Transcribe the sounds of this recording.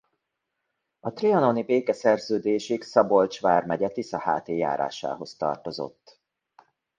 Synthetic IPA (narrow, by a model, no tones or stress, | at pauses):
ɒt̪riɒno̞nibeːkɛsɛrzøːd̪eːʃiksɒbo̞lt͡ʃʋaːrmɛɟɛt̪isɒha̰ːt̪eːja̰ːɾa̰ːʃa̰ːɦo̞st̪ɒ̰rt̪o̞zo̞̰t̪ː